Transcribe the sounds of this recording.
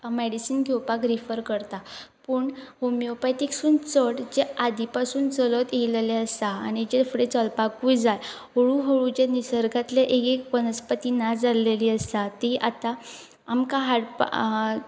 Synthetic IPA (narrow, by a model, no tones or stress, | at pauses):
meɽisiːnɡʱewpakɾifəɾkəɾt̪apəːɳhomijopaʈiksuːnt͡səɽd͡ʑead̪ʱipasuːnt͡sələt̪eleleəst̪aːñid͡ʑefɽet͡səlpakujd͡zaj | ɦoɭuɦəɭut͡ɕanisəɾɡʱat̪ljaʔekekʋənəspət̪inad͡zaleliːəst̪at̪iʔat̪a | amkaɦaɽp